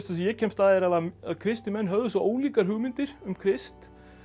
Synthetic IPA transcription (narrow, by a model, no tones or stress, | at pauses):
st̪asijɛcʰɛmst̪aːðɪɾaðaaðkʰɾɪst̪ɪmɛnːɦœvðʏsɔʔoːwliːkaɾ̥ɦʏɣmɪnt̪ɪɾ̥ʏmkʰɾɪst̪